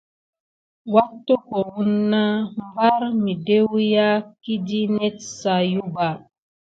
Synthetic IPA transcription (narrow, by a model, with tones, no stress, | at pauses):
wa˦tːo˦ko˨wu˦nːa˦m˦ba˦ɾmi˨de˦wja˦ki˦di˦ne˦tsa˨ju˦ba˨